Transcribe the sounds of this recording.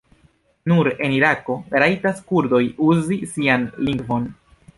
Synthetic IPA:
nuɾe̞niɾako̞ɾajtaskuɾdo̞juzisianliŋɡvo̞n

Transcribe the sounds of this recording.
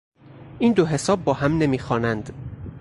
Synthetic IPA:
ʔiːnd̪oɦe̞sɒːbːɒːhæmne̞miːxɒːnænd̪

